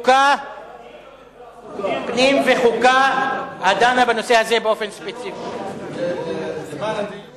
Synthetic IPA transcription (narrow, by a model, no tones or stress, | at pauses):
ka | pnimveχukahad̪anabano̞sehazebeo̞fe̞nʃpet͡sifi